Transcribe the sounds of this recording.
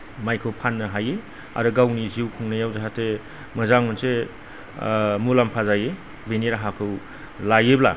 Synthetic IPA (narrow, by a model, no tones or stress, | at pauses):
majkʰɯwpʰanːɐɦaje | a̰ɾɯɡawniziwkʰuŋnajawzaɦate | mɐzaŋmɯnse | mulampʰazaje | beniɾaɦakʰɯw | lajebla̰